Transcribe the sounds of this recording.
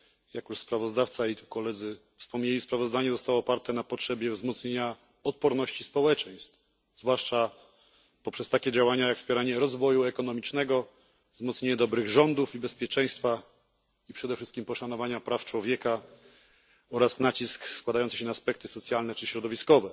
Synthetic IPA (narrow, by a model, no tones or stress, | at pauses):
jakjuʂspɾavɔzd̪aft̪sait̪ukɔlɛd̪zɘ | fspɔmɲelʲispɾavɔzd̪aɲɛzɔst̪awɔːpaɾt̪ɛnapɔtʂɛbʲjɛvzmɔt̪sɲeɲa | ɔt̪̚pɔɾnɔɕt͡ɕispɔwɛt͡ʂɛj̃st̪f | zvwaʂt͡ʂa | pɔpʂɛst̪akʲɛd͡ʑawaɲajakspʲjɛɾaɲɛɾɔzvɔjuɛkɔnɔmʲit͡ʂnɛɡɔ | vzmɔt̪sɲeɲɛd̪ɔbɾɘɣʐɔnd̪ufibɛspʲjɛt͡ʂɛj̃st̪fa | ipʂɛd̪ɛfʂɘst̪kʲimpɔʂanɔvaɲapɾaft͡ʂwɔvʲjɛka | ɔɾasnat͡ɕiskskwad̪ajɔnt̪sɕɛnaːspɛk̚t̪ɘsɔt̪sʲjalnɛt͡ʂɘɕɾɔd̪ɔvʲiskɔvɛ